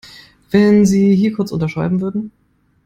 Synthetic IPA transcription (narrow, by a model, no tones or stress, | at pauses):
v̥ɛnziːɦiːɐkʰʊɐt͡sʔʊ̰ntɐʃʁ̥aɪbm̩vʏɐdn̩